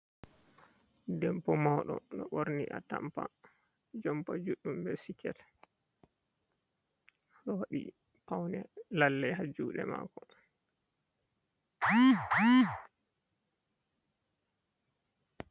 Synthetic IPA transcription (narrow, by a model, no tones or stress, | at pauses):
dɛmpɔmɔɗɔ̰ɗɔɓoɾniʔatampa | d͡ʒɔmpad͡ʒuɗːumbɛsikɛt | ɗɔwaɗḭ | pawnɛlalːɛɦad͡ʒuːɗɛma̰ːkɔ